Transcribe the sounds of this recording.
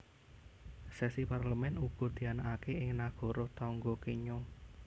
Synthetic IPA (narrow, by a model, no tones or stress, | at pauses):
sɛsiparləmɛnuɡ̥ɔ̤d̪̥i̤anaʔakeɪŋnaɡ̥ɔ̤ɾɔht̪ɔŋɡɔkeɲo